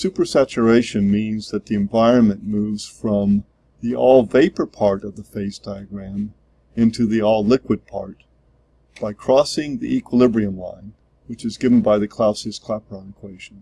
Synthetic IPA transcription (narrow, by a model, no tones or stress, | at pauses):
sʉpə˞sæt͡ʃə˞eɪʃɨ̃nmĩnzðɨt̪̚ðiɨ̃ɱvaɪɹɨ̃nmɨ̃nmuvz̥fɹʌ̃m | ðiʔɔlˠveɪpə˞pʰɑɹɾʌvðəfeɪsd̥aɪɨɡɹæ̃m | ɪ̃ntʰʉðiɔlˠlɪkwɨd̚pʰɑ̰ɹt̚ | b̥aɪkʰɹ̥ɔsɪ̃ŋðḭʔikwəlɪbɹiɨ̃nlã̰ɪ̃n | wɨt͡ʃɨzɡɪvn̩baɪðɨkʰl̥aʊsiz̥kʰl̥æpə˞ə̃nɨkʰw̥eɪʒ̥̃n̩